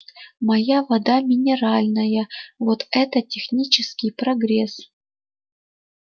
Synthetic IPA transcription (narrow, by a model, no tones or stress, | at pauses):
mɐjavɐd̪amʲɪnʲɪɾalʲnəjəvot̪ɛt̪ətʲɪxnʲit͡ɕɪskʲɪjpɾɐɡɾʲes